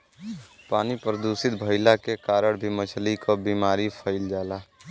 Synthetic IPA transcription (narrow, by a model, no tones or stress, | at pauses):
paːnipɾəd̪usɪt̪bʱəɪlakekaːɾəɽbʱimət͡ʃʰlikobiːmaːɾipʰəɪld͡ʒaːlaː